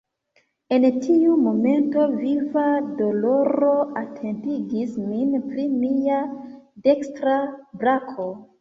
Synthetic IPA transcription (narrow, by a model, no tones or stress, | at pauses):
e̞ntʰiumo̞me̞nto̞vivado̞lo̞ɾo̞atʰe̞ntiɡisminpɾimiade̞kstɾabɾakʰo̞